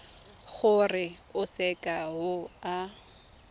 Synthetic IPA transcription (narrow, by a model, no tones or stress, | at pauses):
χʊrɪʊsɛkʼaɦʊa